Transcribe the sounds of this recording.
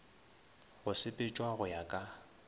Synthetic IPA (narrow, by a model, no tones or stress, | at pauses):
ɣʊsɪpʼɪt͡ʃʼwaɣʊjakʼa